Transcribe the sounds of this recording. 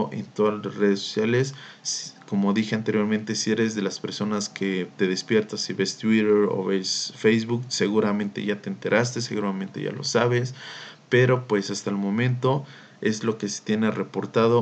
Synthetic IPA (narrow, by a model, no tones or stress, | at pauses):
ʔe̞̰nt̪oðareðeso̥sjale̞s | ko̞mo̞ðixe̞ant̪e̞ɾjo̞ɾment̪e̞sie̞ɾe̞zðe̞laspe̞ɾso̞naskʰe̞t̪e̞ðe̞spje̞ɾt̪asiβe̞st̪wiɾeɾo̰βesfejzβukse̞ɣuɾamẽnt̪e̞̰ʝat̪e̞ːnt̪e̞ɾʔast̪e̞se̞ɣuɾamẽnt̪e̞̰ʝa̰lo̞̰saβe̞spe̞ɾo̞pwe̞sast̪aelmõ̞mẽ̞nt̪o̞ | e̞zlo̞ke̞se̥t̪je̞nere̞po̞ɾt̪aðo̞